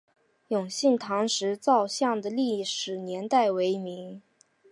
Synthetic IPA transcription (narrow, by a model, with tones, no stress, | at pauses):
jʊ˨˩ŋɕi˥˩nt̪ʰɑ˧˥ŋʂɻ̩˧˥t͡sɑ˥˧ʊɕjɑ˥˩ŋd̪ə˩li˥˩˨ʂɻ̩˨˩njɛ˧˥nt̪a˥˩ɪwe˧˥ɪmi˧˥ŋ